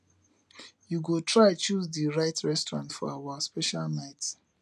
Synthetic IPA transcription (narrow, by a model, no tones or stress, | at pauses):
juɡotʰɹaɪ̃t͡ʃuzdiɹaɪtɹɛstɔɹã̰ntfɔ̰awaspɛʃalnaɪt